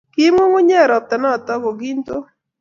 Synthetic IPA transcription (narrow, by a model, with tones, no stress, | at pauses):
ki˦mu˦ŋu˦ɲɛ˦˨ɾɔ˨p̚t̪a˨nɔ˦˨t̪ɔ˦ɡɔ˨ɡi˦nto˦